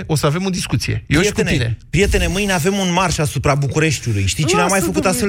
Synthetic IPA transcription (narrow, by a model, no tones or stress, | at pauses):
o̞səave̞mo̞d̪iskut̪sije̞̰jet̪eninepɾije̞t̪e̞ne̞mɨjneave̞munmarʃasupɾabukuɾe̞ʃt̪ʲulujʃt̪ijt͡ʃineamːajfəkut̪ast̪fe